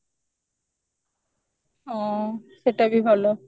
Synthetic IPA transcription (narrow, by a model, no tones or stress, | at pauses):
ɔ̃seʈabibʱalo